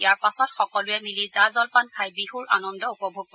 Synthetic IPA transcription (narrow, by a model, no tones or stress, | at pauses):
ijaɹpasɔtxɔkɔlʊɛmilizazɔlpankʰajbihuɹa̰nɔndɔupɔbʱuɡ̚pɔ